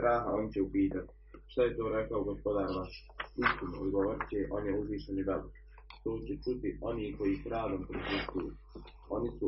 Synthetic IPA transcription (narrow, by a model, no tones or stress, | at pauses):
ɾaːɦaonit͡ʃɛupiːt̪at̪i̥ | ʃt̪ajet̪oːɾɛkaoɡospod̪aːɾma | ist̪inoːd̪ɡoʋɾt͡ʃeːʔonjɛuzʋiːʃenid̪ab | t̪oːt͡ʃɛt͡ʃut̪ioniːkojiːpɾaːd̪ɐmpɾip̪ist̪uju | onisu